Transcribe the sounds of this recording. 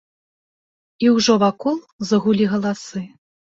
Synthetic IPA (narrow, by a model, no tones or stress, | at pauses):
iwʐɔvakɔlˠzɐɣulʲiɣɐlˠasɨ